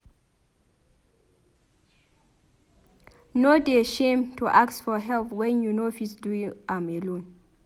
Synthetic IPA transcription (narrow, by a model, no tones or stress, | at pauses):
nodeʃẽmtʰuʔaksfɔɦɛlpwɛ̃njunofisduĩŋãmelõn